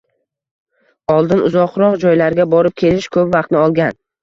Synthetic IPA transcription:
ɒlˠd̪ɪnʊzɒqɾɒqd͡ʒɒjlaɾɡʲabɒɾɪp̚kʲʰe̞lɪʃkʰɵpvaqt̪nɪɒlˠɡʲan

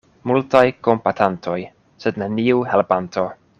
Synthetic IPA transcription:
multajkompatʰantʰo̞j | sedneniuhelbantʰo̞

